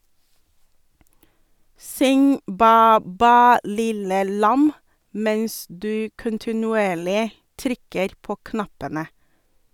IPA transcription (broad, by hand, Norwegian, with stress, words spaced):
ˈsʏŋ ˈbæː ˈbæː ˈlɪlə ˈlɑm ˈmɛns ˈdʉː kʊntɪnʉˈeːɭɪ ˈtɾʏkəɾ ˈpoː ˈknɑpənə